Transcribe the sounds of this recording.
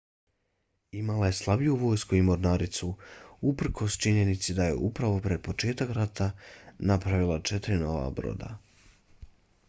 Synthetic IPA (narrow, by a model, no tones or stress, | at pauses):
imalaje̞slˠabijuʋo̞ːjskuimo̞ɾnaːɾit̪suupr̩kʰo̞st͡ʃiɲe̞nit̪sid̪aje̞̰ʔupɾaʋo̞pɾe̞d̪̚po̞t͡ʃe̞ːt̪akɾat̪ʰanapɾaʋilˠat͡ʃet̪ɾino̞ʋa̰bɾo̞̰ːd̪a̰